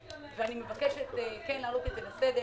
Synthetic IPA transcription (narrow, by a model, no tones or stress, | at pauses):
veanimevakeʃet̪ekenlaːlukezelased̪e